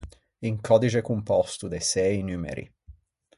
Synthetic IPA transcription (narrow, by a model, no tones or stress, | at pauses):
iŋkʰɔd̪it͡ʃekumpɔst̪ud̪esɛjnymḛɾḭ